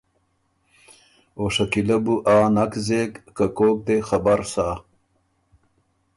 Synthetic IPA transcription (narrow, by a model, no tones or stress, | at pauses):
oːʂɐkilɐbuʔaːnɐkzeːkːakoːk̚d̪exɐbɐɾsaː